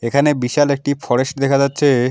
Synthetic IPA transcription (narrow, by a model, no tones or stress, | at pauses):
ekʰanebiʃalek̚ʈifɔɾeʃʈd̪ekʰad͡ʑatːɕʰe